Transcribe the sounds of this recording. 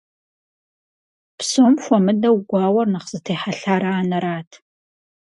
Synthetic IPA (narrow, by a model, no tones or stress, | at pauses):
psomxʷɔmɨdɐwɡʷɑːwɐrnɐχz̥ɨtʰejħaɬaːɾaːnɐɾaːtʰ